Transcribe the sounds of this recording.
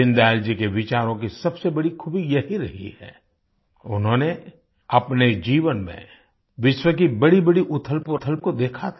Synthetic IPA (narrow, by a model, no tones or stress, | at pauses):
ɪ̃nd̪aːld͡ʒikeʋɪt͡ʃaːɾõkisɐbsebɐɽikʰʊbijɐɦiɾɐɦḭhɛ̰ː | ʊnɦõːne | ɐpned͡ʒiːʋənmḛ̃ | ʋɪʃwək̬ibɐɽibɐɽiʔʊt̪ʰəlpot̪ʰəlp̚kod̪eːkʰat̪ʰː